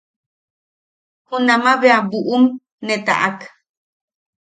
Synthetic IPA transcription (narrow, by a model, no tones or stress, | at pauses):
hunamaβeabuʔum | net̪a̰ʔak